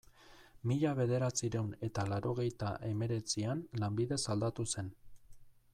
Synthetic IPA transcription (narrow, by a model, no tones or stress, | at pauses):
miʎaβe̞ð̞e̞ɾat͡siɾe̞wne̞t̪alaɾo̞ɣ̞e̞jt̪aʔe̞me̞ɾe̞t͡sianlambiðe̞sald̪at̪use̞n